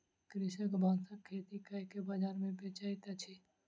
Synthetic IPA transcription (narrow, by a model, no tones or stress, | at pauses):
kɾɪʃəkəbansəkʰːeːt̪ikaekebad͡ʒaːɾmẽbeːt͡ʃaːit̪at͡ʃʰi